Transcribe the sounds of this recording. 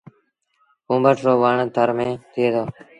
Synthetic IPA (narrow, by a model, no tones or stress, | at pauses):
ɦũːbəʈɾoːʋaːɳət̪ʰəɾmẽːt̪ʰɪeːd̪oː